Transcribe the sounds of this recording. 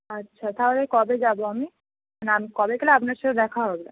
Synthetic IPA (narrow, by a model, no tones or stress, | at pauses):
ətːɕʰat̪aɦolekɔbed͡ʑaboami | anamikɔbekeleapnaɾʃʰɔt̪ed̪ɛkʰaɦɔbe